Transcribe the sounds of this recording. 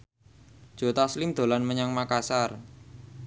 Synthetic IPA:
d̥ʒ̥o̤t̪aslimd̪̥o̤lanməɲaŋmakasar

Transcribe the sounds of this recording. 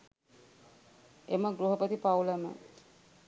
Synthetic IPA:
eməɡɾuɦopət̪ipawlamə̰

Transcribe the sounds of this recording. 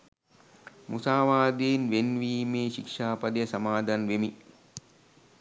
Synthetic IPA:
musaːʋaːd̪eːnʋenʋiːmeːʃikʂaːpɐd̪əjəsamaːd̪ʱanʋemi

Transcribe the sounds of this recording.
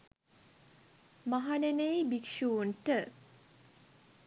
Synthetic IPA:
maɦanenejbikʃuːnʈə

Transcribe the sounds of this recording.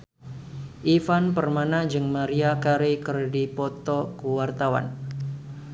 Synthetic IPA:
ʔifanpərmanad͡ʒɨŋmaɾiakaɾikərdipɔt̪ɔkuwart̪awa̰n

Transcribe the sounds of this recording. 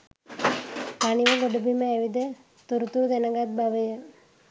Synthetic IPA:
paniʋəɡoɖubiməeʋid̪e | t̪uɾut̪uɾud̪enəɡat̪̚baʋəjə

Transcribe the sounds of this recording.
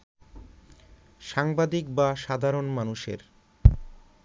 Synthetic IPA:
ʃaŋbad̪ik̚baʃad̪ʱaɾonmanuʃḛɾ

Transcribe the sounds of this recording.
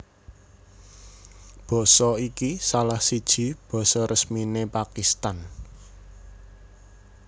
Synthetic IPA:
b̥ɔ̤sɔikisalahsid̥ʒ̥i̤b̥ɔ̤sɔɾəsminepakist̪an

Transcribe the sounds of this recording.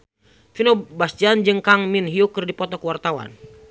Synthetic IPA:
finɔbasd͡ʒand͡ʒɨŋkaŋminɦiukərdipɔt̪ɔkəwart̪awa̰n

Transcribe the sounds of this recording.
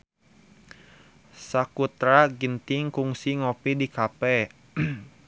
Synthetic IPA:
sakut̪ɾaɡint̪ɪŋkuŋsiŋɔpidikapɛ

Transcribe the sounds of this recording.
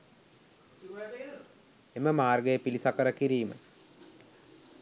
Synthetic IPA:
eməmaːrɡəjəpilisakəɾəkiɾiːmə̰

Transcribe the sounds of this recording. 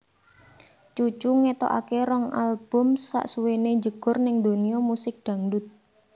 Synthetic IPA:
t͡ʃut͡ʃuŋet̪ɔ̰ʔa̰keɾɔŋalb̥ʊ̤msa̰ʔsuwened͡ʒəɡ̥ʊ̤rnɪŋd̪oniɔmusɪk̚d̪̥ä̤ŋdʊt̪̚

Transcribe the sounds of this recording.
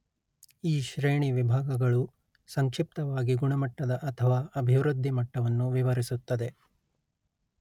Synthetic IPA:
iːʃɾeːɳiʋibʱaːɡɐɡɐɭu | sɐŋkʂip̚t̪ɐʋaːɡiɡuɳɐmɐʈːɐd̪ɐʔɐt̪ʰɐʋaːɐbʱiʋɾud̪ʱːimɐʈːɐʋɐnːuʋiʋɐɾisut̪ːɐd̪e̞

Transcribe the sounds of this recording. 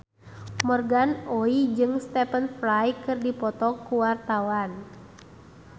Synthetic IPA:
mɔrɡanoid͡ʒɨŋst̪ɛpənflajkɨrdipɔt̪ɔkuwart̪awan

